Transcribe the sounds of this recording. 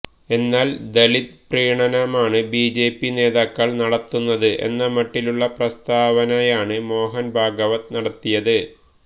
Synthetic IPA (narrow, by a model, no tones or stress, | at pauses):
e̞nːaːld̪ɐlit̪̚priːɳɐnɐmaːɳɨbiːd͡ʑe̞ːpːine̞ːðaːkːɐɭnɐɽɐt̪ːunːɐðɨʔe̞̰nːɐmɐʈːiluɭːɐprɐst̪aːʋɐnɐjaːɳɨmo̞ːɦɐnbʱaːɡɐʋɐt̪ɨnɐɽɐt̪ːijɐðɨ